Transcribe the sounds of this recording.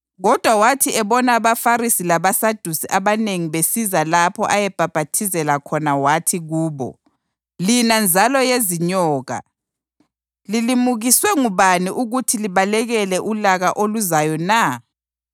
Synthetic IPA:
ɣɔd̥ʱwawatʰiɛβɔnaːβafaɾisilaβasad̥ʱusiʔaβaneŋiβesizalapʰɔʔajɛb̥ʱab̥ʱatʰizɛlakʰɔnawatʰiɣuːβɔ̰ | linand͡zʱalɔjeziɲɔːɣa̰ | lilimuɣiswɛŋuβaniʔuɣutʰiliβalɛɣɛlɛʔulaɣaʔoluzajɔna

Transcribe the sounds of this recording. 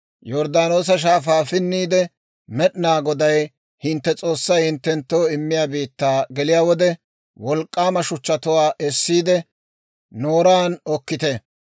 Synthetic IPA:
jɔɾd̪aːno̞ːs̬ɐʃ̬aːfaːfɪnːiːd̪ɛ | mɛɗnaːɡɔd̪ɐj | hɪnt̪ːɛt͡sʼo̞ːsːɐjhɪnt̪ːɛnt̪ːo̞ːɪmːɪjaːbiːt̪ːaːɡɛlɪjaːwɔd̪ɛ | wɔlkʼːaːmɐʃʊt͡ʃːɐt̪ʊwaːʔɛsːiːd̪ɛ | noːɾaːnɔkːɪt̪ɛ

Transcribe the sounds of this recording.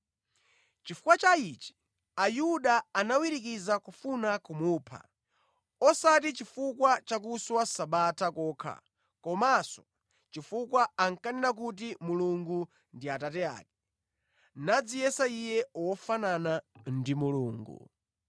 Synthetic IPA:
t͡ʃifu̥kwat͡ʃait͡ʃi̥ | ajuɗaːnawiɾik̬izakufunakumuːpʰa̰ | ɔsat̬it͡ʃifukwat͡ʃak̬uswasaɓatʰakɔːkʰa̰ | kɔmasɔ̥ | t͡ʃifukwaaŋkanɛnak̬ut̬imuluŋɡu | ndiatatɛa̰ːk̚ɛ̥ | nad͡zijɛsaijɛwɔfananandimuluːŋɡṵ

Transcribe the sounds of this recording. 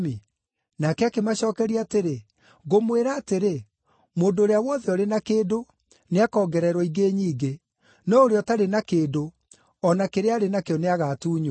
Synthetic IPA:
mi | nakɛakemaɕɔːkɛɾiaːteɾe | ɣomweɾaːteɾe | moːndoːɾeawɔðɛɔɾenakeːdo | neakɔːɡɛɾɛɾwɔiɡeːɲiːɡe | nɔoɾeɔtaɾenakeːdo | ɔnakeɾeaɾenakeɔneaɣaːtuːɲo

